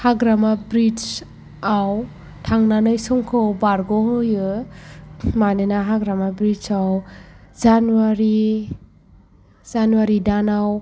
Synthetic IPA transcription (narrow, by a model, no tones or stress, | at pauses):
haɡɾamabɾit͡ʃ | aw | tʰaŋnanɯjsɔŋkʰɯwbaɾɡɔhjɯ | manɯnaɦaɡɾamabɾit͡ʃawzanuwaɾi | zanuwaɾidanaw